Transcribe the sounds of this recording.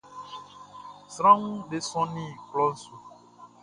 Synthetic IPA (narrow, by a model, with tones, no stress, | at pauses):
sɾã˦ŋũ˦ɖe˦sɔ̃˦nĩ˦˨klɔ˦n̩˦su˨